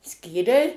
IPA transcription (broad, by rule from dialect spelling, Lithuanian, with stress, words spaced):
ˈsʲkʲiːrʲɛɪ